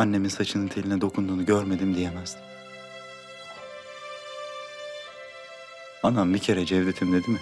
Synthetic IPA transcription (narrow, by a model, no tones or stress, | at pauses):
anːe̞minsat͡ʃʰɯnɯnt̪ʰelʲinɛd̪o̞kʰund̪uːnuɟøɾme̞d̪imd̪ijemæz̥d̪i̥m | anambicʰe̞ɾɛd͡ʒɛvd̪et̪ʰimd̪e̞d̪imɪ